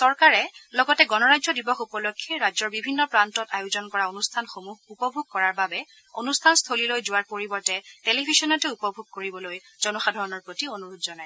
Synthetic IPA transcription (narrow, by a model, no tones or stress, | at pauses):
sɔɹkaɹɛlɔɡɔtɛɡɔnɔɹazɔdibɔxupɔlokʰːɛɹazɔɹbibʱinːɔpɹantɔtajʊzɔnkɔɹaonustʰanxomuɦupɔbʱuɡ̚kɔɹaɹbabɛ | onustʰanstʰolilojzʊwaɹpoɹibɔɹtɛtelibʱisɔnɔtɛupɔbʱuɡ̚koɹibɔloj | z̥ɔnɔxadʱɔɹɔnɔɹpɹotionuɹutzɔnaj